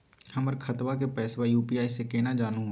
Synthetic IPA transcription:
hɐməɾkʰɐt̪ʋakepɛːswajuːpiːaːisekeːnad͡ʒaːnuɦ

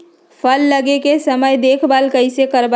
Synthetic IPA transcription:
pʰəlːəɡekesəməjd̪eːkʰbaːlkəɪsekəɾb

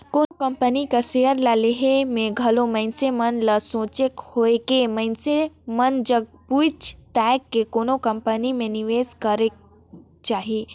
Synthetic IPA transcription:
koːnokɐmpənikasejəɾlaleɦemẽɡʱɐlomɐ̃ɪnsemɐnlɐsõːt͡ʃekhoekemɐɪnsemɐnd͡ʒɐɡ̚puɪt͡ʃt̪ɛːkːekoːnokɐmpənimẽnɪʋeːzkəɾek | t͡ʃaːɦieː

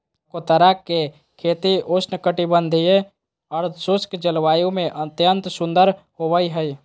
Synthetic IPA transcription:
kot̪əɾakːe | kʰeːt̪iʔosʰnkəʈibə̃nd̪ʱije | ɔɾsʊskd͡ʒəlʋaːjũmẽʔət̪jənt̪sʊ̃nd̪əɾ | hoʋəiɦəi

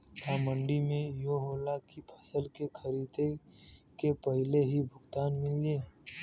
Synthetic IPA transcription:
aːmə̃ɳɖimẽjoɦoːlakipʰə̥səlkekʰəɾiːd̪ekepəɦɪleɦibʱʊɡt̪aːnmɪleː

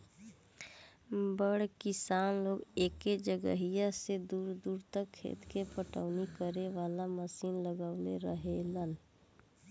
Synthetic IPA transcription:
bəɽkɪsaːnloːɡeːked͡ʒəɡəɦijased̪uːɾd̪uːɾt̪əkʰːḛːt̪kepəʈə̰ʊnikəɾeʋaːlaməsiːnləɡaːʊleɾəɦelən

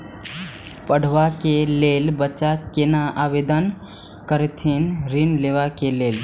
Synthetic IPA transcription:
pəɽ̤ʋakelelbət͡ʃakenaaʋed̪ən | kəɾet̪ʰinɾinleːʋakeleːl

